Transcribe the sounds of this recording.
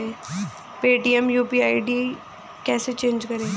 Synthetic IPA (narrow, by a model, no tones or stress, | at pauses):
eː | peːʈiːɛmjuːpiːaːiɖiː | kɛːset͡ʃẽːnd͡ʒkɐɾẽː